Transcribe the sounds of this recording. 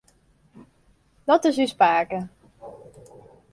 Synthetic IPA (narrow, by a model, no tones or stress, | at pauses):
dɔtɪsyspaːkə